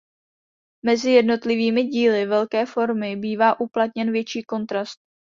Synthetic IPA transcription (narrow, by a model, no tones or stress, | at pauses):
mɛzɪjɛdno̞t̪lɪviːmɪɟiːlɪvɛlkɛːfo̞ɾmɪbiːvaːʔuplat̪ɲɛnvjɛt͡ʃiːko̞nt̪ɾast̪̚